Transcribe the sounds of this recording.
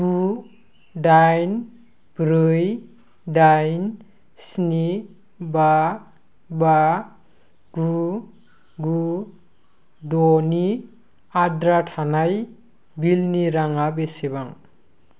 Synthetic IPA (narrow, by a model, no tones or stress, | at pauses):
ɡu | ɖajn | b̥ɾɯj | ɖajn | sni | ba | ba | ɡu | ɡu | doni | adɾaʈʰanaj | bilniɾaŋabesebaŋ